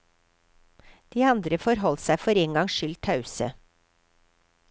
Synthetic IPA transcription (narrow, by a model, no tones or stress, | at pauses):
d̪̥iːɑnd̪ɾəfɔɾɦɔlsæɪfɔɾeːŋɡɑŋʃʏlt̪ʰɑʉsə̰